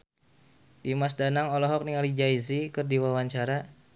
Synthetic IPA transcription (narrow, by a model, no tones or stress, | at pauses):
dimasdanaŋɔlɔɦɔk̚niŋalid͡ʒaizikɨrdiwawaɲt͡ʃaɾa